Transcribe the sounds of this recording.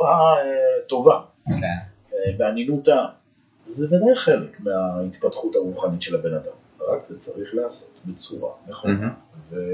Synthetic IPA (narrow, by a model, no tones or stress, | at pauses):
uʁaeto̞va | ke | ebeanjinuta | zevadajχe̞lekmeait̪patχuthaʁuχanitʃelabe̞nad̪am | ʁakzet͡saʁiχlaːso̞t̪bet͡suʁa̰meχonave